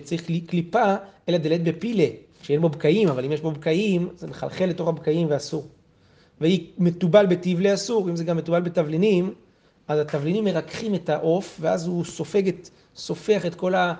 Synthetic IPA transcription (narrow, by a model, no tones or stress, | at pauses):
t͡saʁiχiklipaelad̪elet̪̚be̞pile | ʃejenbo̞bkaimavalimjeʃbo̞bkaimzemeχa̰lχelːe̞t̪oχabkaimveasuʁ | veime̞t̪ubalbe̞tivleasuʁimzeɡamːetubalbet̪avlinim | ʔazat̪avlinimːe̞ʁakχime̞taʔo̞fveazuso̞fe̞ɡet | so̞fe̞aχe̞t̪ko̞la